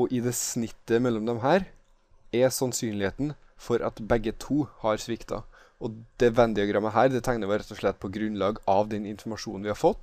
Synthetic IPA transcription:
ɔʔɪd̪ɛsnɪt̪ːəmɛlːɔmd̪ɛmɦæːɾ | ɛsɑnsyːnlɪheːt̪n̩ | fɔɾʔɑ̰t̪bɛɡːət̪ʰuːhɑɾsʋɪkt̪ɑ̰ | ʔɔd̪̥ɛʋɛnd̪ɪɑɡɾɑmːəɦæːɾd̪ɛt̪ʰæɪnəɾʋɛɾɛt̪ːɔʂɭɛt̪̚ːpʰɔɡɾʉnlɑːɡɑʋd̪ɛnɪnfɔɾmɑʂṵːnn̩ʋɪhɑɾfɔt̪ː

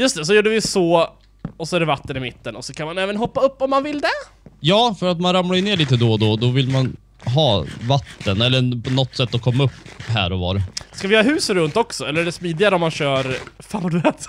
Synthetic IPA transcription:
jɵst̪ɛs̬ɔjuːɖəvɪsoː | ɔsɔæɖɛvat̪ːənɪmɪt̪ːənɔsɔkʰanmanɛːvənɦɔpːaɵpːɔmːanvɪld̪ɛ | jɑːfœɾat̪manɾamlaəneːɭiːt̪əd̪ɔd̪ɔd̪ɔvɪlman | ɦɑːvat̪ːənɛlːəpʰɔnɔt̪ːsɛt̪ːɔkʰɔmːaɵpːɦæ̰ːɾɔvɑ̰ːɾskavɪjɑːɾɦʉ̟ːsɾɵnt̪ɔksɔɛlːɾɖɛsmiːd̪ɪaɾəɔmːanɕœːɾfaːnvad̪ɛːt̪

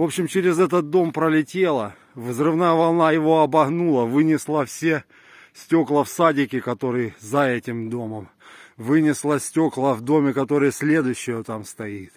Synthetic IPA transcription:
vo̞pɕɪmt͡ɕɪɾʲɪzɛt̪ət̪̚d̪o̞mpɾəlʲɪtʲelˠə | vzrɨvnajəvɐlˠnajɪvo̞ɐbɐɣnulˠəvɨnʲɪslˠəfsʲe | sʲtʲo̞klˠəfsadʲɪkʲɪkɐt̪o̞ɾɨjzɐɛtʲɪmd̪o̞məm | vɨnʲɪslˠəsʲtʲo̞klˠəvd̪o̞mʲɪkɐt̪o̞ɾɨjəsʲlʲe̞d̪ʊjɕːɪjət̪amst̪ɐit̪

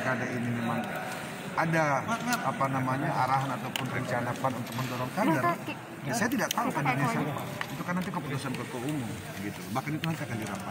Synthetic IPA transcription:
kadaʔinimemaŋ | adaapanamaɲaʔaɾaɦanat̪awpʊnpuɲt͡ʃanapanunt̪ʊk̚məndɔɾɔŋkada | asajat̪idaʔ̚t̪aukɔndonesiapa̰it̪ukanant̪̬ikəput̪usankəkoumʊm | bəɡit̪ubahkanit̪uŋank̪ak̪adiɾampa

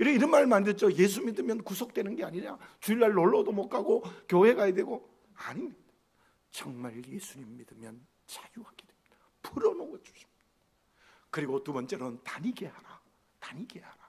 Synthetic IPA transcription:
iɾiɾʌnmaɾɯɭmandɯɭt͡ɕ͈oje̞s̬ʰumidɯmjʌnkus̬ʰok̚t͈we̞nɯnɡe̞aɲiɲa̰t͡ɕuilːaɭːoɭːʌdomok͈ʰaɡokjohe̞ɡajedwe̞ɡo | aɲimɲid̥a | t͡ɕʌŋmaɭje̞sʰuɲimːidɯmjʌn | t͡ɕajuhaɡ̥ed̥wemid̥a | pɯɾʌnoɡʌd͡ʑu̥ɕʰi̥md | kɯɾiɡotubʌnt͡ɕ͈e̞ɾontaɲiɡe̞haɾa | taɲiɡe̞haɾa

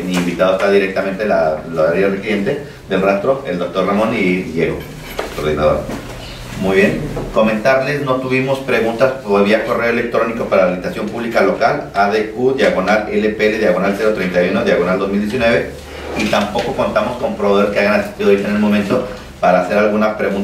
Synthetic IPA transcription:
miːmbit̪að̞oest̪aðiɾe̞k̚t̪ament̪e̞lalaaɾearekiɾje̞nt̪e̞ | ðe̞lrast̪ɾo̞ʔḛld̪o̞kt̪o̞ɾramõ̞niʝeɣo | ko̞̰ɾðinað̞o̞̰ɾ | mujβjenko̞me̞nt̪aɾle̞sno̞t̪uβimo̞spɾe̞ɣunt̪asoeβiako̞re̞oe̞le̞k̚t̪ɾo̞niko̞paɾaβlit̪asjo̞mpuβlikalo̞kalaðekuðjaɣo̞nale̞lepeele̞ðjaɣo̞nalseɾot̪ɾejnt̪ajuno̞ðjaɣ̞o̞nald̪o̞zmild̪jes̬inwe̞β̞e̞ | it̪ampo̞ko̞ko̞nt̪amo̞sko̞mpɾoβoeskeaɣanasi̥st̪iðo̞etaenelmo̞mẽnt̪o̞ | paɾaːse̞ɾalɣunapɾe̞ɣun

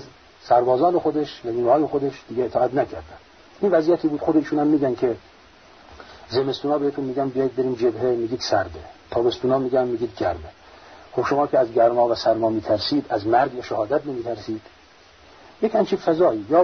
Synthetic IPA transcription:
z | sæɾbɒːzɒːnexod̪eʃvæziːɡhɒːjexod̪eʃd̪iːɡʲeet̪ʰɒːæt̪nækʰæɾd̪æn | ʔinvæzijæt̪ʰiːbuːd̪xod̪eiːʃuːnæmːiːɡænkʰe | zemest̪uːnɒːbeet̪ʰunmiːɡænbijɒjid̪̚beɾiːnd͡ʒebhemiːɡiːd̪̥sæɾd̪et̪ʰɒːbe̞st̪uːnɒːmiːɡænmiːɡiːd̪ɡæɾme | xobʃomɒːkʰʲeæzɡæɾmɒːvæsæɾmɒːmiːt̪ʰæɾsiːd̪æzmæɾɡvæʃæhɒːd̪æt̪nemiːt̪ʰæɾsiːd̪̥ | jekʰhænt͡ʃʰifæzɒːiːjɒː

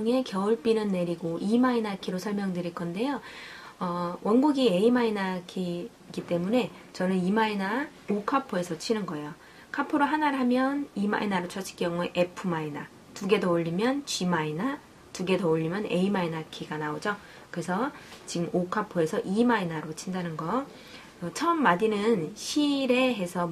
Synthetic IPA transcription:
ŋe̞kjʌuɭp͈inɯnːe̞ɾiɡoʔimainakʰiɾosʰʌɭmjʌŋdɯɾiɭk͈ʌnde̞joʌwʔʌnɡuɡie̞imainakʰi | ɡit͈e̞mune̞ | t͡ɕʌnɯnimaina | okʰapʰoe̞sʰʌt͡ɕʰinɯnɡʌejo | kʰapʰoɾoɦanaɾɦamjʌnima̰inaɾot͡ɕʰʌt͡ɕʰi̥k͈jʌŋueʔepʰɯmaina | tuɡe̞dooʎːimjʌnt͡ɕimaina | tuɡe̞dooʎːimjʌne̞imainakʰiɡanaod͡ʑo | kɯɾe̞sʰʌt͡ɕiɡɯmokʰapʰoe̞sʰʌʔimainaɾot͡ɕʰindanɯnɡʌ | t͡ɕʰʌmːadinɯnɕʰiɾe̞ɦe̞sʰʌ

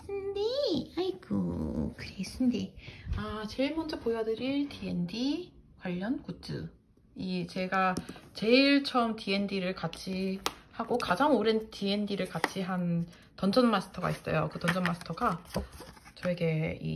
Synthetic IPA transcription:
sʰɯndiaiko̰kɯɾesʰɯndiat͡ɕe̞iɭmʌnd͡ʑʌpojʌdɯɾiɭtie̞ndi | kwaʎːʌnkut͡ɕ͈ɯ̰ | it͡ɕe̞ɡat͡ɕe̞iɭt͡ɕʰʌmtʰie̞ndiɾɯɭkat͡ɕʰihaɡokad͡ʑaŋoɾɯntie̞ndiɾɯɭkat͡ɕʰiɦan | tʌnd͡ʑʌnmasʰɯ̥tʰʌɡa̰is͈ʌ̰jokɯtʌnd͡ʑʰʌnmasʰɯ̥tʰʌɡa | t͡ɕʌeɡe̞ḭ

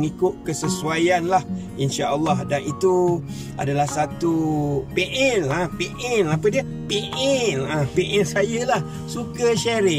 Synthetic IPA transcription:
ŋikʊʔ̚kəsəsuajanlah | inʃaʔəlːahdanit̪u | ʔa̰dalahsat̪upeʔɛnapeʔɛnapədiə | peʔɛnapeʔɛnsajəlah | sukəʃaɾɪ

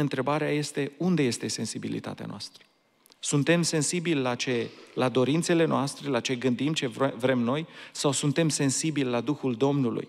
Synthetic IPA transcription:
ɨnt̪ɾe̞baɾeaje̞st̪e̞und̪e̞je̞st̪e̞se̞nsibilḭt̪a̰t̪ea̰noast̪ɾə̥ | sunt̪e̞mse̞nsibilʲlat͡ʃe̞lad̪o̞ɾint̪se̞le̞noast̪ɾe̞lat͡ʃe̞ɡɨnd̪imt͡ʃe̞vɾe̞mno̞jsawsunt̪e̞mse̞nsibilʲlad̪uxuld̪o̞mnulṵj

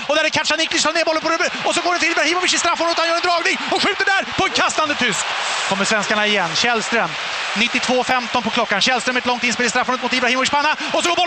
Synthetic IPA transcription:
ɔd̪æɾɛkʰaʈʂanɪklɪst̪ʰɑːɾneːbɔlːəpʰɔɾbɔs̬ɔɡoːɖɛnt̪ʰɪlɪbɾahiːmɔvɪʂɪst̪ɾafːɔnət̪hanjœːɾɛnd̪ɾɑːɡnɪŋɔɧʉ̟ːt̪əɖæɾpʰɔɛnkʰast̪and̪ət̪ʰʏskkʰɔmːəʂsvɛnskaɳaɪjɛnːɕɛlst̪ɾœm | nɪt̪ːɪt̪ʰvoːfɛmt̪ɔnpɔkʰlɔkːanɕɛlst̪ɾœmɛt̪lɔŋt̪ɪnspeːlɪst̪ɾafːɔnɳət̪mʊt̪ɪbɾahiːmɔvɪʂpaːna | ɔsɔɡobɔ

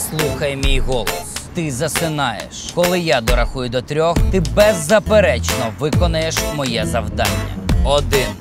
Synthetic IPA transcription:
slˠuxɐjemʲijɦɔlˠɔst̪ɪzɐsɪnɑjḛʃkɔlˠɪjad̪ɔɾɐxujʊd̪ɔt̪ɾʲɔxt̪ɪbɛzːɐpeɾɛt͡ʃnɔʋɪkɔnɐjeʃmɔjɛzɐwd̪ɑ̰nʲːɐ̰ɔd̪ɪn

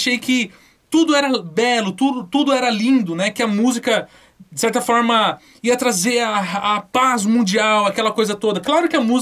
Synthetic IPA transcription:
ʃejkɪ | t̪ud̪ʊɛɾɐbɛlʊt̪ud̪ʊt̪ud̪ʊɛɾɐlĩd̪ʊnɛkɪɐmuzikɐ | d͡ʒɪsɛɾt̪ɐfɔɾmɐ | iɐt̪ɾazeɾaːpazmũd͡ʒiawɐkɛlɐkojzɐt̪od̪ɐklaɾʊkɪɐmuz

